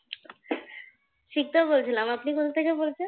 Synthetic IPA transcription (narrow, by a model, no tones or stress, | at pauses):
ʃʰik̚t̪obolt͡ɕʰilamapnikot̪ʰot̪ʰekebolt͡ɕʰen